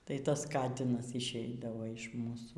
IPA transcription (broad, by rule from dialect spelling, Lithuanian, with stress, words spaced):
ˈtɐɪ ˈtɐs ˈkɑːtʲɪnɐs ɪʃʲˈɛɪdɐʋoː ɪʃ ˈmuːsuː